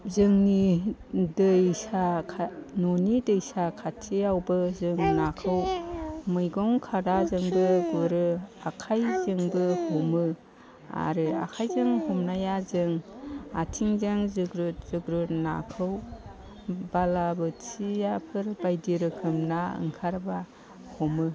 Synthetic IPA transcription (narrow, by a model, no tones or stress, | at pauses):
zɯŋnidɯjsakʰanonidɯjsakʰatʰiawbɯzɯŋnakʰɯwmɯjɡɔŋkʰaɾazɯŋbɯbɯɾɯakʰajzɯŋbɯhomɯ | a̰ɾɯa̰kʰajzɯŋhumnajazɯŋatʰiŋzɯŋzɯɡɾɯzɯɡɾɯna̰kʰɯw | balabɯt͡ʃʰijapʰɯɾbajdiɾɯkʰɯmnaɯ̰ŋkʰaɾba | homɯ